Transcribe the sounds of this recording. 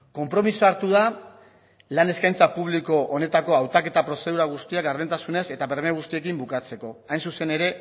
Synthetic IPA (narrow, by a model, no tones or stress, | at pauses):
ko̞mpɾo̞misoaɾt̪uða | lane̞skajnt͡sapuβ̞liko̞ʔone̞t̪ako̞awt̪ake̞t̪apɾo̞se̞ð̞uɾaɣ̞ust̪iaɡaɾð̞ent̪asune̞se̞t̪aβeɾmeɣ̞ust̪ie̞kimbukat͡se̞ko̞ajnsuse̞ne̞ɾe̞